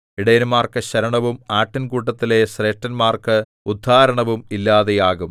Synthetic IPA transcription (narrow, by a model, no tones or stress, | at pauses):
iɽɐjinmaːrkɨɕɐɾɐɳɐʋumaːʈːinkuːʈːɐt̪ːilesreːʈːɐnmaːrkɨ | ud̪ʱːaːɾɐɳɐʋumilːaːðejaːɣum